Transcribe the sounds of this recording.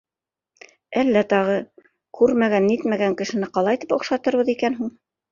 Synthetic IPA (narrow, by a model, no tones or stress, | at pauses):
ælːæt̪ɑʁɤ | kʉɾmæɡænːit̪mæɡæŋkɘ̆ʃɘ̆nɘqɑlˠɑjt̪ipŏqʃɑt̪ɤ̆ɾβɤðikænɦuɴ